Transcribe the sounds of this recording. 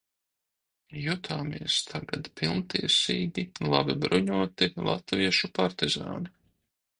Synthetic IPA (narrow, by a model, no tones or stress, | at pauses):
jut̪ʰaːmiɛst̪ʰaɡad̪pilˠnt̪iɛsiːd̪ʲilˠabibɾuɲuɔt̪ilˠa̰t̪viɛʃupaɾt̪iza̰ːni